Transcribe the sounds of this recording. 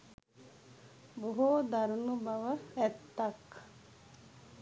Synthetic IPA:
boɦoːd̪ɐɾunubɐʋəɛt̪ːɐk

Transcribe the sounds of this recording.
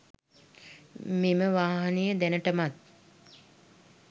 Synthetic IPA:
meməʋaːɦanejəd̪ænəʈəmat̪̚

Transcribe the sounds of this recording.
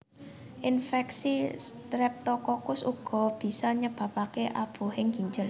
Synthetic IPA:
ʔinfɛksist̪ɾɛp̚t̪ɔkɔkʊsṵɡ̥ɔ̤b̥i̤sɔɲəb̥a̤pakeʔab̥ṳhɪŋɡi̤ɲd͡ʒəl

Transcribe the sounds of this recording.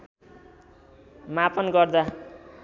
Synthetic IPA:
mapʰʌnɡʌrd̪a

